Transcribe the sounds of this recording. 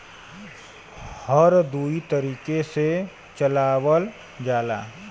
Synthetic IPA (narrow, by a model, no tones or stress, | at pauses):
həɾd̪uːit̪əɾiːkese | t͡ʃəlaːwəl | d͡ʒaːla̰ː